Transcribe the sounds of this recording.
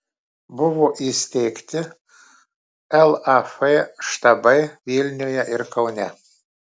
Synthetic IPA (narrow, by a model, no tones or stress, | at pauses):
bʊʋoʔisʲt̪ʲɛːkt̪ʲɪ | ɛlˠafeʃt̪ɐbɐjvʲilʲnʲojɛʔɪɾkɐwnʲæ